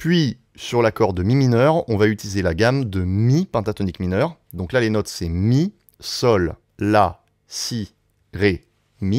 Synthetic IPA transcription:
pɥi | syʁlakɔʁd̪əmiminœʁɔ̃vayt̪ilizelaɡamd̪əmipɛ̃t̪at̪ɔnikminœʁd̪ɔ̃klalenɔt̪sɛmi | sɔlː | a | si | ʁe | mi

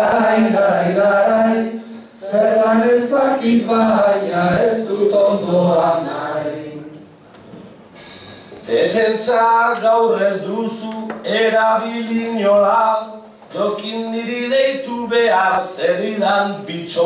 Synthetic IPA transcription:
ajɡaɾajɣaɾaj | seɾt̪anest̪akit̪βaɲae̞st̪ut̪ond̪oanajj | d̪efe̞nt͡saɡawrezd̪usue̞ɾaβiʎiɲolaw | dokiniɾiðejt̪uβe̞aɾseðiðampit͡ʃo

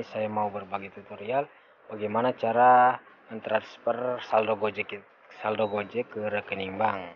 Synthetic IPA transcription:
sajamaubərbaɡɛt̪ut̪oɾial | b̥aɡɛjmanat͡ʃaɾa | ənt̪ɾan̥spərsaldoɡod͡ʒɛ | saldoɡod͡ʒɛkəɾəkəniŋbaŋ

